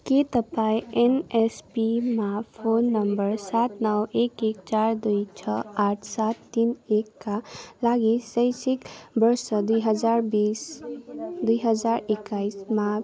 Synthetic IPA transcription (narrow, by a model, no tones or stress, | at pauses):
ket̪əpajenespimapʰoːnːəmbəɾsat̪nəweːkekt͡ʃaːɾd̪ujt͡ʃʰəaːʈʰsat̪ːinekːalaːɡisəɪsɪkbəɾsəd̪ujɦəd͡ʒaːɾbiːs | d̪uiɦəzaːɾɪkːaisma